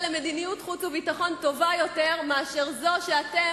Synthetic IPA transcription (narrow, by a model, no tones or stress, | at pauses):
leme̞d̪inijutχutt͡suvitaχo̞nto̞vajo̞te̞ʁmeaʃeʁzo̞ʃeate